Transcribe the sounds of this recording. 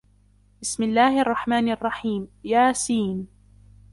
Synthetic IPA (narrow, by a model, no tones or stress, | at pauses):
b̥ɪsmɪlːaːhʔɑrˤːɑħmaːnʔɑrˤːɑħiːmjaːsiːn